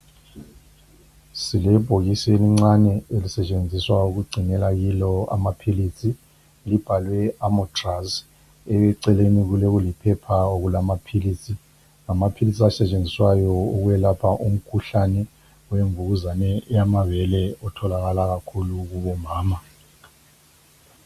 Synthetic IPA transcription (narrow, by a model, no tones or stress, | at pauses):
silɛb̥ʱoɣiseliŋ͡ǀanɛelisɛt͡ʃʼend͡zʱiswauɣuɡ͡ǀʱinɛlaɣilɔa̰mapʰilit͡sʰʼi | lib̥ʱalwɛamɔtʰʼras | ɛɛǀɛleniɣuleɣulipʰɛpʰaoɣulamapʰilisʼʰi | ŋamapʰilisʼiasɛt͡ʃʼend͡zʱiswajɔuɣujɛlapʰaʔum̩kʰuɬanɛ | weɱvuɣuzanɛɛjamavɛlɛɔtʰɔlaɣalaɣakʰuluɣuβɔmaːma